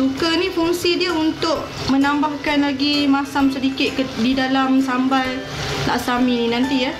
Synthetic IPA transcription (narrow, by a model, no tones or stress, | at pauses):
sukənĩfuŋsidiəunt̪ʊʔ | mənambahkanlaɡimasamsədikɪt̪̚kdidalamsambaj | t̪a̰ʔsamininãnt̪ija